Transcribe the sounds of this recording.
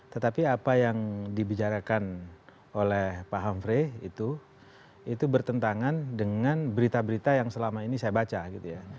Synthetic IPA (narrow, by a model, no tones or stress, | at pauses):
t̪ət̪apiapajaŋdibit͡ʃaɾakan | olɛhpaɦamfɾeḭt̪u | it̪ubərt̪ənt̪aŋandəŋanbəɾit̪abəɾit̪ajaŋsəlamainisajabat͡ʃaɡit̪uja